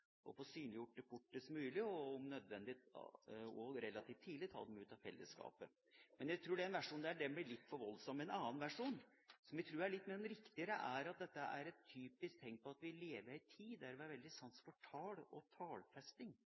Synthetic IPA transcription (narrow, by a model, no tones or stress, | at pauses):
ʔɔ̰fɔsyːnlɪjʊʈːəfʊʈːəsmʉːlɪɔɔmnœd̪ʋɛnd̪ɪ | ɔɾɛlːɑt̪ʰiːft̪ʰːiːd̪lɪt̪ʰɑ̰ːd̪ɛmʉːt̪ɑʋfɛ̰lːə̰skɑ̰ːpə̰ | mɛnjæɪt̪ʰɾuːɖɛɛːnʋæʂuːnd̪ɛæɖɛbɪlɪt̪ːfɔɾʋɔlsɔmːɛnɑːənʋæʂuːn | sɔmjæɡt̪ʰɾuːɾæɭɪt̪ːmeːɾɛmɾɪkt̪ɪəɾəʔæɾɑt̪̚d̪ɛt̪ːəʔæ̰ɾɛt̪ʰːyːpɪsk̚t̪ʰɛŋk̚pʰɔɑt̪ʋɪleːʋəɾɪt̪ʰiːæɾʋɪæɾʋɛld̪ɪsɑnsfɔʈʰɑːlɔt̪ʰɑːlfɛst̪ɪŋ